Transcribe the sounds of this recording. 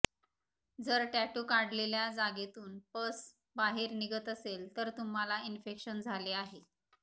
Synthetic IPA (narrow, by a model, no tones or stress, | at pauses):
d͡zəɾʈæʈukaɽleljad͡zaɡet̪uːnpəs | baɦeɾniɡət̪əselt̪əɾt̪um̤alainfekɕənd͡zʱaleaɦe